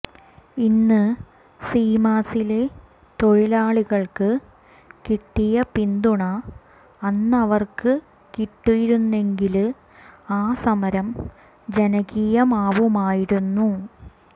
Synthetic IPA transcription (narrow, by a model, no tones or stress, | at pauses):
inːɨ | siːmaːsile | t̪o̞ɻilaːɭiɣɐɭkɨ | kiʈːijɐpind̪uɳɐː | nːɐʋɐrkɨ | kiʈːijiɾunːe̞ŋɡil | aːsɐmɐɾɐm | d͡ʑenɐɣiːjɐmaːʋumaːjiɾunːu